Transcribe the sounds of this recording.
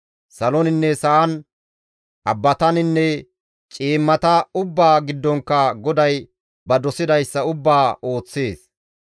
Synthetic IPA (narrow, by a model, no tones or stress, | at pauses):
sɐlɔnɪnːɛsɐɐn | ʔɐbːɐt̪ɐnɪnːɛ | t͡ʃʼiːmːɐt̪ɐʊbːaːɡɪd̪ːɔŋkːɐɡɔd̪ɐj | bɐd̪ɔsɪd̪ɐjsːɐʊbːaːo̞ːt͡sːe̞ːs